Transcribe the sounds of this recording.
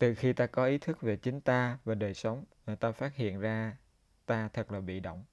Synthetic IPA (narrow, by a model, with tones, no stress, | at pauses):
t̪ɨ˨˩xi˧t̪aː˧kɔ˨˦ʔi˨˦t̪ʰɨ˦˥k̚ve˨˩t͡ɕï˨˦ŋ̟t̪aː˧vaː˨˩ɗəː˨˩jsə˨˦wŋ͡mt̪aː˧faː˦˥t̚hḭ˧˨ənzaː˧ | t̪aː˧t̪ʰə˨˩k̚laː˨˩ɓḭ˧˨ɗo̰˧˨wŋ͡m